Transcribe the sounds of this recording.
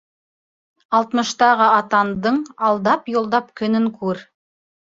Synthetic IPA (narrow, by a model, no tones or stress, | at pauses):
ɑlˠt̪mɤ̆ʃt̪ɑʁəɑt̪ɑnd̪ɤɴɑlˠd̪ɑpjolˠd̪ɑp̚kʲʰɵ̆nɘŋkʰʉɾ